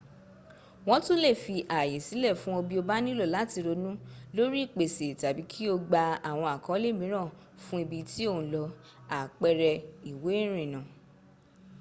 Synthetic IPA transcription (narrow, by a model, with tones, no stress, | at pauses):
w̃ɔ̃˦tũ˦le˦˨fi˧ʔa˨je˨si˨˦lɛ˦˨fũ˦o˧bi˦o˧ba˦nĩ˦lo˦˨la˨˦ti˧ɾo˧nũ˦lo˦ɾi˦˨k͡pe˨se˨ta˨bi˨˦kʰi˦o˧ɡ͡ba˧a˨w̃ɔ̃˧a˨kɔ̃˦le˦˨mĩ˨˦ɾ̃ã˦˨ | fũ˦i˧bi˧ti˦o˦˨ũ˨˦lɔ˧ | a˨k͡pɛ˧ɾɛ˧i˨we˨˦ɾ̃ĩ˨nã˨